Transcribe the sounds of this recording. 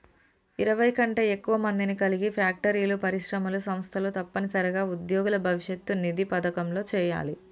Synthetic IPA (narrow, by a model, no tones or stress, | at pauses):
iɾɐʋɐjkɐɳʈeekːuʋɐmɐnd̪inikɐliɡipʰjaːk̚ʈɐɾiːlupɐɾiʂɾɐmɐlusɐmst̪ʰɐlut̪ɐpːɐnisɐɾɐɡaːud̪joːɡulɐbʱɐʋiʂjet̪ːunid̪ipɐd̪ɐkɐmlo̞ːt͡ʃɛːja̰ːli